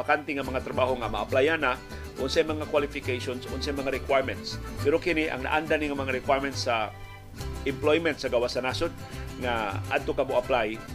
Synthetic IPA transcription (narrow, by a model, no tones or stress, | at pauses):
akant̪ɪŋamɐŋat̪ɾabaɦoŋamaʔːplajana | ʔonsajmɐŋakwalɪfɪkejʃonsonsajmɐŋaɾɪkwajmɛnt̪spɛɾokɪnɪʔɐ̰ŋna̰ʔand̪aniŋamɐŋaɾɪkwajɾmɛnt̪sa | ʔɪmplojmɛnt̪sɐɡawasanasʊd̪̚ŋaʔa̰d̪̚t̪okamoʔaplaj